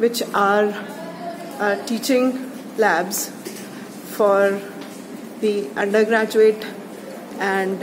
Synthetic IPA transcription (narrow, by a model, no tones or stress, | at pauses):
ʋɪt͡ʃaːɾ | ʈiːt͡ʃɪ̃ŋ | læːbz | fɔːɾ | d̪iʌ̃ɳɖəɾɡɾæːd͡ʒueːʈ | ɛ̃ɳɖ